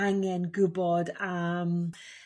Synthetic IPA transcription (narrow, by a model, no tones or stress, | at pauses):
aŋɛnɡʊbɔdam